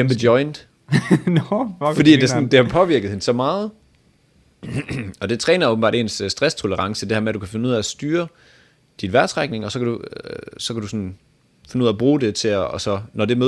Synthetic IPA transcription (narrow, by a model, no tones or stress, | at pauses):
emb̥ədjɒ̽ɪnd̥ | fɒ̽d̥ḭːd̥esɔnd̥e̝hɑ̈pʰɒ̽ʋiɐɡ̥ð̞̩ˠhe̝nsɒ̽mɑ̈ːð̩ˠ | ɒ̽d̥e̝t͡sʰʁɛːnɐo̽b̥m̩̥ɑ̈ːɾ̥e̝ːnssːd̥ʁast͡sʰo̝ləʁɑ̈ŋsəd̥e̝hæɐmed̥ukʰæfe̝nuð̰ˠææsd̥yːɐ | d̥inʋæɐsʰʁaɡ̥ne̝ŋɒ̽sɒkʰædusɒ̽kʰædusɔ̽n | fenəuð̰ˠæb̥ʁuːd̥e̝t͡sʰe̝sɒ̽nɒd̥e̝mø